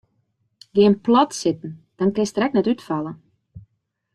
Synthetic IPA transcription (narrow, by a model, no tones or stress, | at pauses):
ɡɪənplɔtsɪtn̩d̥ɔnkɪstrɛk̚nɛtytfalˠə